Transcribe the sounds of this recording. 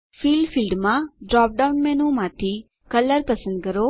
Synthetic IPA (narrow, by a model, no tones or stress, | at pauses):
filɖfilɖmãɖɾɔp̚ɖaunmɛnumãt̪ʰi | kələɾpəsə̃nd̪̚kəɾo